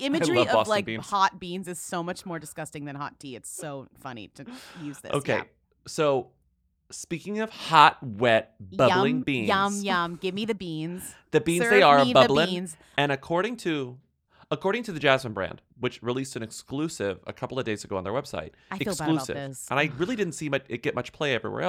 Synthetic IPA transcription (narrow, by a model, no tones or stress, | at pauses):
ɪ̃mɨd͡ʒɹiiʌɔsvlaɪkbĩhɑt̚b̥ĩnzɨz̥soʊmʌt͡ʃmɔɹdɨskʌstɪ̃ŋðɨ̃nɦɑ̰t̚tʰiɨtsoʊfʌnḭɾɨjʉzðɪ̰o̰ʊkʰḛɪ | soʊ | spikɪ̃ŋʌv̥hɑt̚wɛt̚b̥ʌl̩ˠɪ̃ŋbĩnʌ̃mzjʌ̃mɡɪvmiðɨbĩnz̥ðɨbĩnzðeɪə˞əbʌbl̩ˠə̃nz̥ | ɨ̃ñɨkʰɔɹɾɪ̃ŋtʰɨ | əkʰɔɹɾɪ̃ŋtʰɨðɨd͡ʒæzmɨ̃nbɹæ̰̃nd̥wɨt͡ʃɹilistsɨ̃nɨksklʉsɪvɨ̰kʰʌpl̩ˠʌvdeɪzɨɡoʊə̃nðə̰˞wɛb̥sa̰ɪɾ̚ | aɪfɨsluɨ̰vsə̃naɪɹɪlˠidɪdⁿn̩tsimʌt͡ʃɨt̚ɡ̥ɛt̚mʌt͡ʃpʰl̥eɪɛvɹḭwɛ̰ɹɛ